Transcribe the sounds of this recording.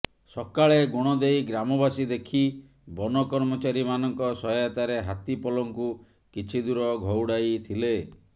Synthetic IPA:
sɔkaɭeɡoɽ̃ɔd̪ejɡɾamɔbasid̪ekʰi | bɔnɔkɔɾmɔt͡ʃaɾimanɔŋkɔsɔjat̪aɾeɦat̪ipɔlɔŋku | kit͡ʃʰid̪uɾɔɡʱɔwɽajt̪ʰile

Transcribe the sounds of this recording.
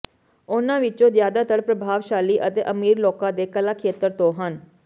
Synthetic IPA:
ʊnãːʋɪt͡ʃõːzjaːd̪aːt̪əɽpɾəbʱaːʋʃaːliːʔət̪eːʔəmiːɾloːkãːd̪eːkəlaːkʰeːt̪əɾt̪õːɦən

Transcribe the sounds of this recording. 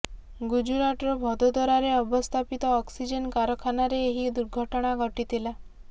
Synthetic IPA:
ɡud͡ʒuɾaʈɾɔbʱɔd̪ʱɔd̪ʱɔɾaɾeɔbɔst̪ʰapit̪ɔːksid͡ʒenkaɾɔkʰanaɾeːɦid̪uɾɡʱɔʈɔɽ̃aɡʱɔʈit̪ila

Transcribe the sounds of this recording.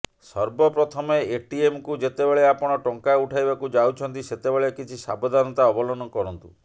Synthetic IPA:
sɔɾbɔpɾɔt̪ʰɔmeeʈiemkud͡ʒet̪ebeɭeapɔɽ̃ɔʈɔŋkauʈʰajbakud͡ʒawt͡ʃʰɔnt̪iset̪ebeɭekit͡ʃʰisa̰bɔd̪ʱanɔt̪aɔbɔlɔnɔkɔɾɔnt̪ṵ

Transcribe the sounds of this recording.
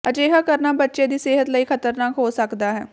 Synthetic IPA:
ət͡ʃeːɦaːkəɾnaːbətːʃẽd̪iːseːɦət̪ləiːkʰət̪əɾnaːkɦoːsəkd̪aːɦɛː

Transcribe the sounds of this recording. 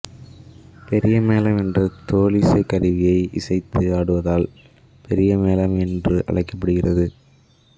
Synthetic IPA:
pɛɾɪjɐmeːlɐmɛndrɐt̪oːlisɐɪkːɐɾɪʋɪjɐɪɪ̰sɐɪt̪ːɯaːɽɯʋɐðaːl | pʰɛɾɪjɐmeːlɐmɛndrɯʔɐ̰ɭɐɪkːɐpːɐɽɯɣɪrɐðɯ

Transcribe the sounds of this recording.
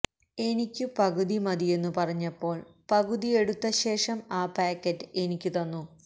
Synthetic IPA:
e̞nikʲːupɐɣuðimɐðie̞nːupɐrɐɲːɐpːo̞ːɭpɐɣuðije̞ɽut̪ːɐɕe̞ːʂɐmaːpaːkːɐtːɨe̞nikʲːut̪ɐnːu

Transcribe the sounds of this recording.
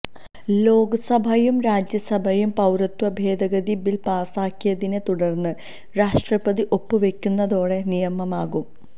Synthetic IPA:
lo̞ːɡɐsɐbʱɐjumɾaːd͡ʑjɐsɐbʱɐjumpɐwɾɐt̪wɐbʱe̞ːd̪ɐɡɐd̪ibilpaːsaːkːijɐðinet̪uɽɐrnːɨ | ɾaːʂʈrɐbɐðiʔo̞pːɨʋe̞kʲːunːɐðo̞ːɽe̞nijɐmɐmaːɣum

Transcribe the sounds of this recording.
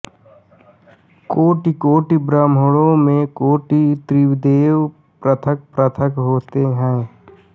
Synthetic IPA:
koːʈikoːʈibɾamɦəɭõmẽkoːʈit̪ɾiwd̪eːw | pɾət̪ʰək̚pɾət̪ʰəkɦoːt̪eɦɛ̃ː

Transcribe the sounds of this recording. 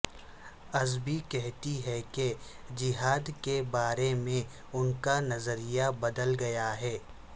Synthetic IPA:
ɐzbikɛɦt̪iɦɛked͡ʒɪɦaːd̪kebaːɾemẽ | ʊnkanɐzəɾijabɐd̪əlɡɐjaɦɛː

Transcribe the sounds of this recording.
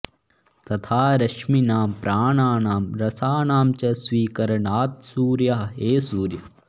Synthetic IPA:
t̪ɐt̪ʰaːɾɐkʃminaːmpɾʔaːɳaːnaːmɾɐsaːnaːmt͡ʃɐsʋiːkɐɾɐɳaːt̪̚suːɾjɐɦɐeːsuːɾjɐ

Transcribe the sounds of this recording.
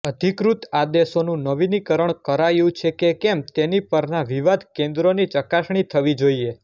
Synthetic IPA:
əd̪ʱikɾut̪ad̪eʃonũnəʋinikəɾəɳkəɾajũt͡ʃʰekekɛmt̪enipəɾnaʋiʋad̪ʱkẽnd̪ɾonit͡ʃəkaʃɳ̃it̪ʰəʋid͡ʒoie

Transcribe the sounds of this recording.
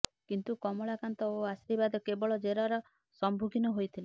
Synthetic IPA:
kint̪ukɔmɔɭakant̪ɔoasiɾibad̪ɔkebɔɭɔd͡ʒeɾɔɾɔ | sɔmbʱuɡʱinɔɦojt̪ʰile

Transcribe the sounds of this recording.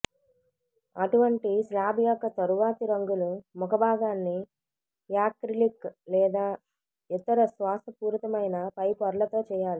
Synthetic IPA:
ɐʈuʋɐɳʈislaːbjaːkɐt̪ɐɾuʋaːt̪iɾɐŋɡulumukʰɐbʱaːɡaːnːi | jaːkɾiliklɛːd̪aː | it̪ːɐɾɐsʋaːst̪ʰɐpuːɾt̪ɐmɐjnɐpɐjpɐɾɐlɐt̪o̞ːt͡ʃɛːjaːli

